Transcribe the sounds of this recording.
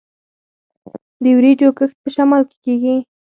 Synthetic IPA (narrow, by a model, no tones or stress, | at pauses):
d̪əwɾid͡ʒokəxt̪̚pəʃamalke̥keɡi